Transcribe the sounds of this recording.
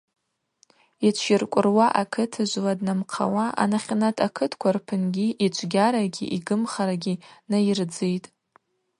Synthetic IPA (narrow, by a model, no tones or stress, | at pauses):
it͡ʃʷʰɪrkʷʼʊrwaʔakʰɨtʰɨʒʷladnamqʰa̰waʔa̰naχʲnatʼʰakʰɨtʰkʷʰarpʰɨnɡʲiʔit͡ʃʷʰɡʲaɾaɡʲḭʔiɡɨmχaɾaɡʲinajird͡zɨjtʼ